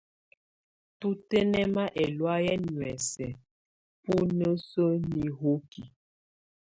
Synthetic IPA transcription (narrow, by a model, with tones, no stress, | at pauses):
tu˦tɛ˦nɛ˦ma˦ʔɛ˨lwa˦jɛ˦nwɛ˨sɛ˨ | pu˦nə˦sə˦ni˨ɦo˦ki˨